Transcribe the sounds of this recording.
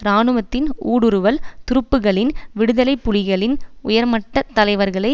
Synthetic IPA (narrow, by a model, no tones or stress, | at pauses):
ɾaːnɯʋɐt̪ːɪnuːɽɯɾɯʋɐlt̪ʊɾɯpːɯɣɐɭɪnʋɪɽɯðɐlɐɪpːʊlɪɣɐɭɪnʊjɐɾmɐʈːɐt̪ːɐlɐɪʋɐɾɣɐɭɐɪ